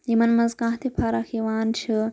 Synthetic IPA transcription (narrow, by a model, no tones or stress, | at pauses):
jimɐnmɐzkãːɦt̪ʰipʰaːɾaːkʰiːʋaːnt͡ʃʰi